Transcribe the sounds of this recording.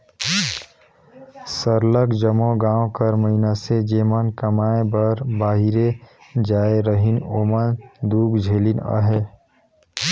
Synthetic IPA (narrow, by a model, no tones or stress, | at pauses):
səɾləkd͡ʒəmõɡãːw̃kəɾməɦinased͡ʒeːmənkəmaːebəɾbaːɦiɾed͡ʒaːeɾəɦinoːmənd̪uɡd͡ʒʱeːlinə̰ɦe